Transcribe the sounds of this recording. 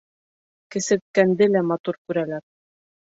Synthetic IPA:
kɘ̆sɘ̆t̪̚kænd̪ɘlæmɑt̪uɾkʉɾælæɾ

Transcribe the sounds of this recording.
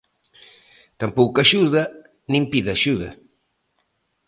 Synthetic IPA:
t̪ampowkaʃuðɐ | nĩmpiðaʃuðɐ̰

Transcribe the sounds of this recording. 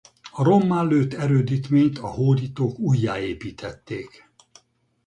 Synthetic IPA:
ɒɾo̞mːaːlːøːt̪ɛɾøːd̪it̪meːɲt̪ɒhoːɾit̪oːkujːaːeːpiːt̪ʰɛt̪ːeːk

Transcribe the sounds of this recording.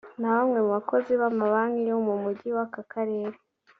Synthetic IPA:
naβamŋe̞muβako̞ziβamaβaŋiɾeumumuɟiwakakʰaɾe̞ːɾe

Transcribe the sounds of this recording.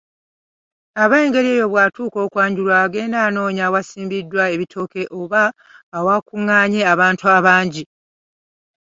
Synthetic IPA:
aβajeːŋɡe̞ɾie̞ːjo̞βwatuːko̞ːkwaːɲɟulwaːɡe̞ːndaːno̞ːɲawasiːmbidːwae̞βitʰo̞ke̞ʔo̞βaː | wakuŋːaːɲe̞aβaːntuaβaːɲɟi

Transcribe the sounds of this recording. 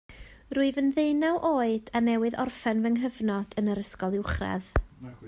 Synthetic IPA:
ruɨvənðejnawʔoːɨd̥anɛwɨðɔ̰rfɛnvəŋɦəvnɔd̥ənəɾəskɔlˠɪwχrɛ̰ð

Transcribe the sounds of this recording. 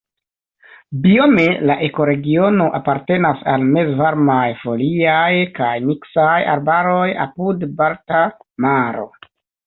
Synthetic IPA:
biomelaʔe̞ko̞ɾe̞ɡio̞no̞ʔapaɾte̞nasalme̞zvaɾmajfo̞liajkajmiksaja̰ɾbaɾo̞ja̰pudbaltamaɾo̞̰

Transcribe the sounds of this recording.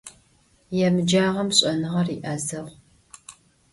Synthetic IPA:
jɛmɨd͡ʒaːʁɐmɕʼɐnɨʁɐriːʔazɐʁʷ

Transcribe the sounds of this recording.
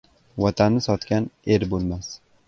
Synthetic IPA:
vɒt̪ʰanːɪsɒt̪kʲane̞ɾbolˠmas

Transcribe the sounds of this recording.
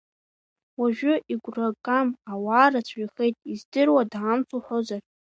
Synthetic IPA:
waʒᶣʊʔiɡʷrakʼamawaːrat͡sʷʰiχejtʼizdɨrwadʕamt͡sʰuħʷozar

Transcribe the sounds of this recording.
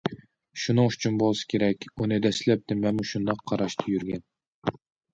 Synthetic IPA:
ʃunɨŋyt͡ʃʰynbolˠsɨ̥kʲʰeɾɛkʲunɨd̪ɛslɛp̚t̪ʰɪmɛnmuʃund̪ɑqʰːɑɾɑʃt̪ʰɨjyɾɡʲɛn

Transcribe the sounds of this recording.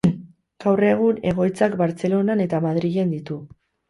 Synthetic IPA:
ɡ̥awre̞ɣ̞une̞ɣ̞o̞jt͡sakbaɾt͡se̞lo̞nane̞t̪amaðɾiʝe̞nd̪it̪u

